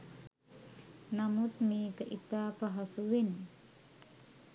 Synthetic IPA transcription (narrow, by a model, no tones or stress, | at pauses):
namut̪̚mikəʔit̪apaɦasuwin